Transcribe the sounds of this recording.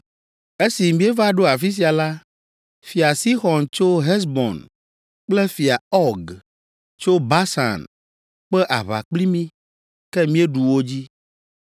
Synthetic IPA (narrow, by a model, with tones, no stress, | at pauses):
e˦si˨mĩ˦e˦va˦ɖo˦a˨fi˦s̬i˨a˨la˦ | fi˨a˨si˦xɔ̃˨nt͡ʃo˦ɦɛ˦s̬bɔ̰˨n | k͡plɛ˦fi˨a˨ɔ˦ɡ | t͡ʃo˦ba˦sa̰˨n | k͡pɛ˦ʔa˨βa̰˨k͡pli˦mĩ˦ | kɛ˦mĩ˦e˦ɖu˨wo˦d͡ʑi˦